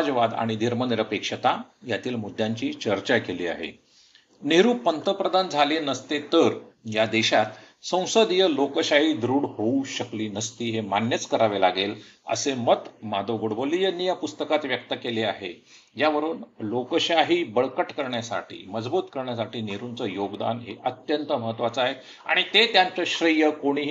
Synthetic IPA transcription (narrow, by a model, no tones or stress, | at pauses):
d͡zʋad̪a̰ɽ̃id̪ʱiɾməniɾəpekʂət̪ajat̪iːlmud̪ʱjaɲt͡ɕiːt͡ɕəɾt͡ɕakeliːa̰ɦḛ | neɾuːpənt̪əpɾəd̪and͡zʱalenəst̪et̪əɾjad̪eɕat̪ | sə̃w̃səd̪jəlokəɕaɦiːd̪ɾuːɽhouɕəkliːnəst̪iːɦemanjət͡skəɾaʋelaɡelə̰semət̪mad̪oɡoɽbolijənijapust̪əkat̪ʋjəkt̪əkeleaɦḛ | d͡ʑjaʋəɾuːnlokəɕaɦiːbəɭkəʈkəɾɳjasa̰ʈḭːməd͡zbuːt̪kəɾɳjasaʈiːneɾunt͡səjoɡd̪a̰nɦḛʔət̪jənt̪əməɦət̪ʋat͡səaɦe | a̰ɽ̃it̪et̪jãɲt͡səɕɾəjəkoɽ̃iːɦ